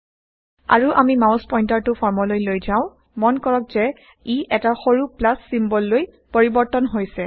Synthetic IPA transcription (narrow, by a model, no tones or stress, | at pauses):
a̰ɹuʔamimaʊ̃spɔjntaɹtʊpʰɔɹmɔlojlojzaʊ̃ | mɔnkɔɹɔkzɛ | iʔɛtaxoɹuplasːimbɔlːoj | poɹibɔɹtɔnɦojsɛ